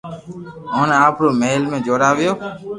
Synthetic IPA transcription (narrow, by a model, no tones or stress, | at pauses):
ɔneapɾomelmẽd͡ʒoɾaːʋjoː